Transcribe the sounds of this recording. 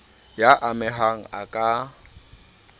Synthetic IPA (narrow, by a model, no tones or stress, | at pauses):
jaʔamɪɦaŋ̩akʼa